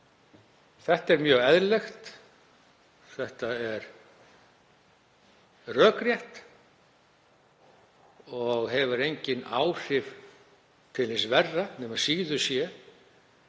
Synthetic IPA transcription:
θɛht̪ɛɾmjœːɣɛðɾlɛxt̪ | θɛht̪aɛɾ | rœːkɾjɛht̪ | ɔɣɦɛvʏɾejɲcɪnaːwr̥ɪv | t̪ʰɪlɪnsvɛrːanɛmasiːɣðʏsjɛ

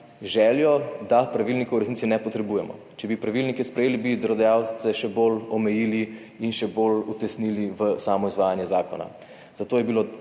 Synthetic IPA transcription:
ʒɛːljɔd̪apɾaʋilnikɔwɾɛsnit̪sinɛpɔt̪ɾɛbuːjɛmɔ̰ | t͡ʃɛbipɾaʋilnikɛspɾɛjeːlibid̪ɾɔd̪ɛjaw̪sɛʃɛbolɔmɛjiːli | inʃɛbolut̪ɛsniliʋəsaːmɔizʋaːjanjɛzaːkɔna̰ | z̥at̪oːjɛbilo

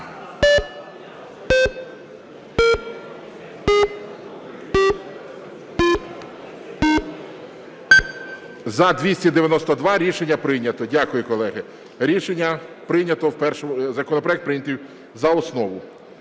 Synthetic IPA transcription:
zɐd̪ʲʋʲisʲtʲid̪eʋʲjɐnɔst̪ɔd̪ʋɑɾʲiʃenʲːɐpɾɪnʲɐt̪ɔdʲakʊjʊkɔlˠɛɦɪ | ɾʲiʃenʲːɐpɾɪnʲɐt̪ɔwpɛrʃɔzɐkɔnɔpɾɔjɛk̚t̪̚pɾɪjnʲɐt̪ʲiw | zɐɔsnɔʋʊ

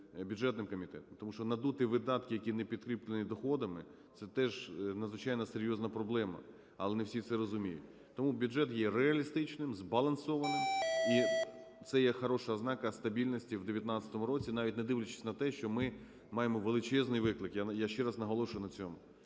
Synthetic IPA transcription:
bʲuʐɛt̪nɪmkɔmʲit̪ɛ̰t̪ɔmt̪ɔmuʃt͡ʃɔnɐd̪ut̪ɪʋɪd̪ɑt̪kɪjɐkʲinepʲid̪̚kɾʲiplʲˠenʲid̪ɔxɔd̪ɐmɪ | t̪sɛt̪ɛʒnɐd̪zʋɪt͡ʃɑjnɐseɾʲjɔznɐpɾɔblˠɛmɐ̰ | ɐlˠɛnewsʲit̪sɛɾɔzʊmʲijʊ̰tʲ | t̪ɔmubʲudʐɛt̪jɛreɐlʲist̪ɪt͡ʃnɪmzbɐlˠɐnsɔʋɐnɪmi | t̪sɛjɛxɐɾɔʃɐznɑkɐst̪ɐbʲilʲnɔsʲtʲiwd̪eʋʲjɐt̪nɑat̪ʲt͡sʲɐ̥t̪ɔmʊɾɔt͡sʲinɑʋʲitʲned̪ɪʋlʲɪt͡ʃɪ̥sʲnɐt̪ɛʃt͡ʃɔmɪ | mɑjemɔʋelˠɪt͡ʃɛznɪjʋɪklˠɪkjajaʃt͡ʃɛɾɑznɐɦɔlˠɔʃʊjʊnɐt͡sʲɔmʊ

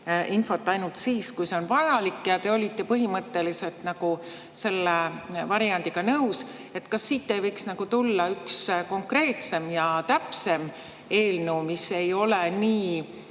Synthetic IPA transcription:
ʔinfo̞t̪ːˑɑjnult̪siːskujse̞onvɑjɑlikːjɑt̪e̞o̞lʲit̪ːˑe̞pɤɦimɤt̪ːe̞lise̞lt̪nɑɡ̥u | se̞lːevɑɾijɑnd̪̥iɡ̥ɑnɤws | e̞t̪ːkɑsːiːt̪ːe̞vɤjksnɑɡut̪ulːɑyksko̞ŋkre̞ːt̪se̞mjɑt̪æpse̞m | e̞ːlnuwmise̞jo̞leniː

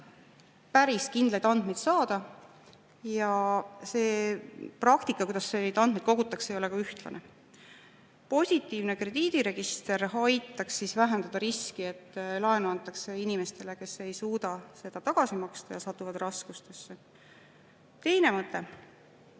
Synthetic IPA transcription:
pæɾiskind̪lɑjd̪ɑnd̪mejd̪̥sɑːd̪̥ɑ | jɑse̞ːprɑkt̪ikːˑɑkujd̪ɑsːeid̪ɑnd̪med̪̥̚ko̞ɡut̪ːˑɑksejo̞lekɑyht̪lɑ̰nʔe | po̞sʲit̪ːˑiːvne̞kre̞d̪̥iːd̪̥iɾe̞ɡ̥ist̪e̞ɾɦɑjt̪ːˑɑksːisvæɦend̪̥ɑd̪̥ɑɾiskie̞t̪ːlɑenuɑnt̪ːˑɑkse̞inime̞st̪e̞le̞ke̞se̞jsuːd̪̥ɑse̞d̪̥ɑt̪ɑɡ̥ɑsimɑkst̪ɑjɑsɑt̪ːˑuvɑd̪̥rɑskust̪e̞sːe | t̪e̞jne̞mɤt̪ːˑe̞

